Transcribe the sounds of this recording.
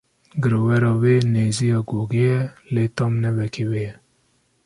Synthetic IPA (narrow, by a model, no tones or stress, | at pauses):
ɡɨɾowɛɾɔweneːzijɔɡoɡejɛlet̪ɔmnɛwɛkʰewejɛ